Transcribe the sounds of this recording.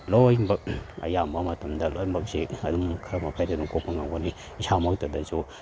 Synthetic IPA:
lojmbɐk̚ɐ̰jambɐmɐtɐmdɐlojmbɐk̚seɐdumkʰɐmɐpʰajdaduŋkopɐŋaŋɡani | samɐk̚tɐdɐzo

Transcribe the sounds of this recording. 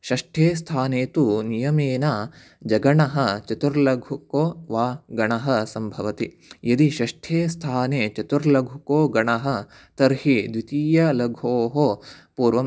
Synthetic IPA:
ʃɐʂʈʰeːst̪ʰaːneːt̪unijɐmeːna | d͡ʒɐɡɐɳɐɦɐ̆t͡ʃɐt̪uɾlɐɡʱukoːʋaːɡɐɳɐɦɐ̆sɐmbʱɐʋɐt̪i | jɐd̪iʃɐʂʈʰeːst̪ʰaːneːt͡ʃɐt̪uɾlɐɡʱukoːɡɐɳɐɦɐ̆ | t̪ɐɾhid̪ʋit̪iːjɐlɐɡʱoːɦopuːɾʋɐm

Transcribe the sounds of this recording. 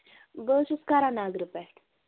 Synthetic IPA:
bəɕuskaɾanaɡɾupɛʈ

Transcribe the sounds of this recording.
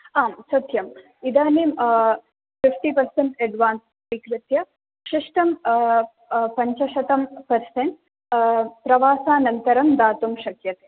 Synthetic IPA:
aːmsɐt̪jɐm | id̪aːnem | fifʈipɐɾseɳʈeɖʋaːns | ʋiːkɾit̪jɐ | ʂiʂʈɐm | pɐɲt͡ʃɐʃɐt̪ɐmpɐɾseɳʈ̚ | pɾɐʋaːsaːnɐnt̪ɐɾɐmd̪aːt̪umʃɐkjɐt̪e̥ː

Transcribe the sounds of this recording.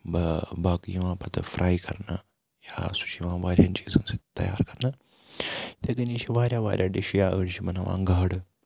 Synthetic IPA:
bɐbaɡjiʋãːpɐt̪ɨfɾʔaːjkɐɾnɐ | ja̰ːsu̥ʃiʋãːʋaːɾʲjant͡ʃiːzunsit̪ɐ̰ja̰ːɾkɐɾnɐ | t̪eɡɐniʃiʋaːɾʲjaːʋa̰ːɾʲjaːɖiʃijaːəɽʃimɐnɐʋã̰ŋɡaːɽɨ

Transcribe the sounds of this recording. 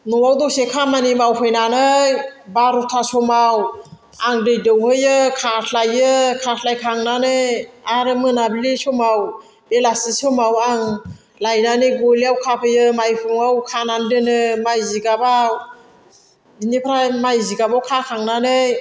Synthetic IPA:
nɔwawdɔsekʰamanimawpʰɯjnanɯjbaɾɔtʰasɔmaw | aŋdɯjdɯwhɯjɯkʰatʰlajɯkʰatʰlajkʰaŋnanɯjaɾɯmɯnabilisɔmaw | belasisɔmawaŋ | lajnanɯjɡoliawkʰapʰɯjɯmajpʰuŋawkʰanandɯnɯmajziɡaba | binipʰɾamajziɡabawkʰakʰaŋnanɯj

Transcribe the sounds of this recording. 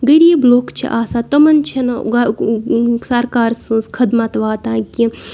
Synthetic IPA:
ɡɐɾiːbloːkt͡ʃʰḭʔaːsat̪ɐmɐnt͡ʃʰɐnɡ | sɐɾkaːɾsɨ̃ːskʰɐd̪mat̪ʋaːt̪ãːkʲi

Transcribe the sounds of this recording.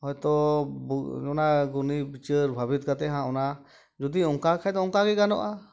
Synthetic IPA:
hɔjt̪ɔbuɔnaɡunibit͡ʃəɾbʱabit̪̚kat̪ɛɦãɔna | d͡ʒud̪iɔŋkakʰajt̪ɔɔ̃ŋkaɡɛɡanɔ̰ʔa

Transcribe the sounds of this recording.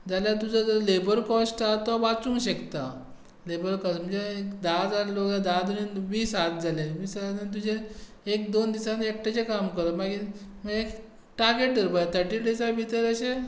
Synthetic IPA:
d͡zaljat̪ud͡zad͡zlebəɾkɔsʈat̪ɔʋat͡sũŋɡɕekt̪a | lebəɾkɔsm̤əɳd͡zeekd̪ad͡zaɾloɡad̪ad̪oninʋiːsat̪̚d͡zaleʋiːsaənt̪̬ud͡ʑe | ek̚d̪ond̪isanek̚ʈat͡ɕekamkəɾəmaɡiməɡek | ʈaɾɡeʈ̚dəɾbat̪ʰəɾʈiɽisabʱit̪əɾəɕe

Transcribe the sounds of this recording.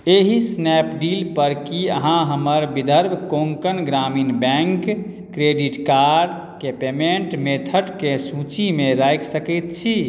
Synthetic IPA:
eɦisnɛpɖilpəɾkiəɦãɦəməɾbid̪ʱəɾbʱkoŋkənɡɾaminbɛ̃ŋkː | ɾeɖiʈkaɾ | kepemeɳʈmet̪ʰəʈkesũt͡ʃimeɾajksəkɛt̪̚t͡ʃʰi

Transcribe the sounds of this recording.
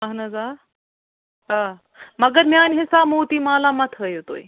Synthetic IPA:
mɐɦnɐzaːɾ | ɦaː | mɐɡəɾmjaːnʲɦɪsaːmuːt̪iːmaːlaːmɐt̪ʰəjot̪o̰ːi

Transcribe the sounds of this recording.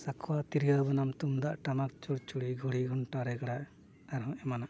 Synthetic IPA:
sakʰwat̪iɾiɡabɯnamt̪umd̪aʔʈamak̚t͡ʃuɾt͡ʃuɽiɡʱuɽiɡɔɳʈaɾɛɡaɽaʔ | d̪aɾɦɔ̃ɛmanaʔ

